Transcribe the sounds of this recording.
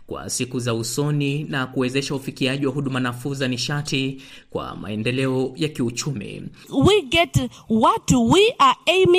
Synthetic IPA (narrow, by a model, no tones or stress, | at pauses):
kwa̰sikuzausɔninakuwɛzɛʃaufikiaʄiwaɦuɗumanafuzaniʃatikwa̰ma̰ɛndɛlɛɔjakiut͡ʃumḭ | wiɡɛt | watuwiaem